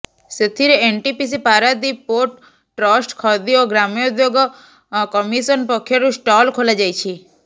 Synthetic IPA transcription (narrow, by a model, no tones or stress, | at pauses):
set̪ʰiɾeeɳʈipis̬ipaɾad̪ipoʈː | ɾɔsʈkʰɔd̪ioɡɾamjod̪joɡ | kɔmisənpɔkʰjɔɾũsʈɔlkʰolad͡ʒajt͡ʃʰi